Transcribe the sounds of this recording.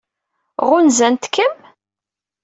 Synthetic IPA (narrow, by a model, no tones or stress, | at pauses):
ʁʊnzænt̪kʰːəm